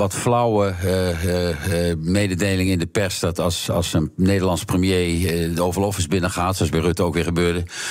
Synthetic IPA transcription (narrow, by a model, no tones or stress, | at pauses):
ʋɑtflʌwə | mejdədejlɪŋɪndəpɛɹsdɑtɑsɑ̰lˠsənnejdərlɑnsprəmjejowvəlɔfɪzbɪnəχaːtsoɑsbɛrøtəowkʋɪːɹχəbøːɹdə